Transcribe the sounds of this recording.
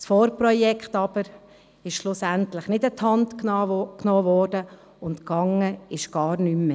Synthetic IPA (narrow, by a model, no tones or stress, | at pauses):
sfɔːɾpɾɔjɛkχtɑb̥əɾ | ɪʃʃlʊsæntlɪχnɪtətʰhɑntkːknoːvɔːɾdə | ʊntkɑŋəɪʃɡ̥ɑːɾnymːə